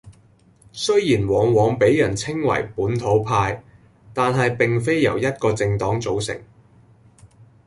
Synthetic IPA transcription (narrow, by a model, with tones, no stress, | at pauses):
sɵ˥ɥjiː˨˩nwɔː˨˧˥ŋwɔː˨˧˥ŋpe˨˥jːɐ˨˩nt͡sʰɪ˥ŋwɐ̰˨˩jpuː˨˥nt̪ʰo˨˥wpʰaː˧j | t̪aː˨nɦɐ˨jpɪ˨ŋfe˥jjɐ̰˨˩wjɐ˥t̚kɔː˧t͡sɪ˧ŋt̪ɔː˨˥ŋt͡so˨˥wsɪ̰˨˩ŋ